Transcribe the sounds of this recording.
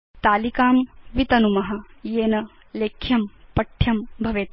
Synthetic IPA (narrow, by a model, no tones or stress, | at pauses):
t̪aːlikaːmʋit̪ɐnumɐɦɐ̆jeːnɐ | leːkʰːjɐmpɐʈʰjɐmbʱɐʋeːt̪